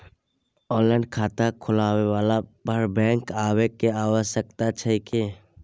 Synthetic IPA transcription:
ɔːlɛ̃ːɳɖkʰaːt̪akʰʊlaːwewaːlapəɾbɛ̃ːŋkaːwekeaːwəʃəkt̪at͡ʃʰɛike

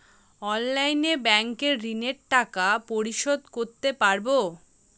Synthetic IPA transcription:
ɔnlajnebɛŋkeɾːineɾʈakapoɾiʃod̪koɾt̪epaɾbo

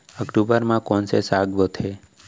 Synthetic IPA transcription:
əkʈubəɾmãkɔnsesaɡʋət̪ʰe

